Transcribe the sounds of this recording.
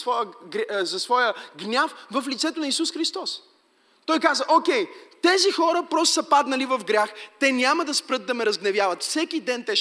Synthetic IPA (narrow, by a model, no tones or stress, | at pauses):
svɔjəɡzɐsvɔjəɡnʲafvɐflit̪sɛt̪ʊnɐisusxɾist̪ɔs | t̪ɔjkazəʔokʲɛjt̪ɛzixɔɾəpɾɔst̪sɐpad̪nɐlivɐvɡɾʲjaxt̪ɛnʲaməd̪ɐspɾɤt̪̚d̪ɐmɛɾɐzɡnɛvʲjavɐt̪fsɛkid̪ɛnt̪ɛ